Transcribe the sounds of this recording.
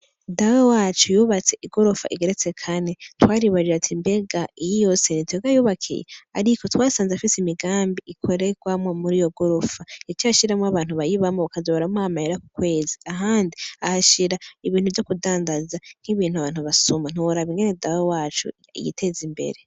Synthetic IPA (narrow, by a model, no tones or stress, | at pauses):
dawowaːt͡ʃujuːβat͡se̞ʔiɡo̞ɾofa̰ʔiɡeɾet͡se̞kʰane̞twaːɾijuβaɾiɾatʰimbe̞ɡaijijo̞senitweɡajuːβakʰḭjḛa̰ɾiko̞twaːsaːnzafisemiɡaːmbiikʰo̞ɾe̞ɡwamwo̞muɾijo̞ɡoɾofait͡ʃiaʃiɾamŋwaβaːnhuβajiβamoβakazoβaɾamoaamahiɾaku̥kwe̞ːziaɦaːndiahaʃiɾaiβiːnhuvjo̞kudaːŋɡazan̥hiβiːnhuaβaːn̥huβasuman̥uoɾaβiŋɡenedawowaːt͡ʃṵ | jḭtʰe̞zimbḛɾe̞